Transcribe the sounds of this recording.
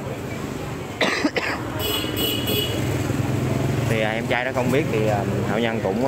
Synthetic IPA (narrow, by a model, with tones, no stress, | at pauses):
t̪ʰi˨˩aː˨˩ʔɛ˧mt͡ɕaː˧jnɔ˨˦xə˧wŋ͡mɓi˦˥ət̚t̪ʰi˨˩əː˨˩haː˧˩wɲə˧nkʊ̰˧˥wŋ͡m